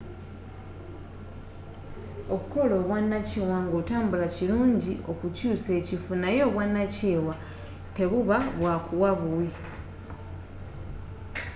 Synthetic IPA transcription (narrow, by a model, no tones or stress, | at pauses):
o̞βuko̞lo̞ːβwanːaceːwaŋɡotaːmbulaciluːɲɟiʔo̞kucuːse̞ːcifunajo̞ːβwanːaceːwa | te̞βuβaβwaːkuwaβuwi